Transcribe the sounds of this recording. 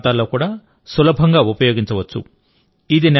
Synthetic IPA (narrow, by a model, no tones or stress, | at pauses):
t̪aːlːoːkuːɽaː | sulɐbʱɐŋɡaːupɐjoːɡiɲt͡ʃɐʋɐt͡ʃːṵ | id̪in